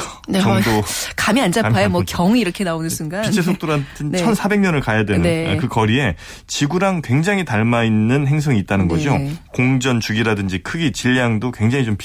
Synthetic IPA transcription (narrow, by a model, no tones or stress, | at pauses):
net͡ɕʌŋdokamiand͡ʑaajomwʌkjʌŋiiɾʌkʰenaonɯnsʰuŋɡapint͡ɕʰes̬ʰok̚t͈oɾatʰɯnt͡ɕʰʌnsʰabe̞ŋɲʌnɯɭkajadwenɯnḛkɯkʌɾie̞ | t͡ɕiɡuɾaŋkwe̞ŋd͡ʑaŋɦitaɭmainːɯnɦe̞ŋs̬ʰʌŋiːt̚t͈anɯnɡʌd͡ʑokoŋd͡ʑʌnt͡ɕuɡiɾadɯnd͡ʑikʰɯɡit͡ɕiʎːjaŋdokwe̞ŋd͡ʑaŋit͡ɕomp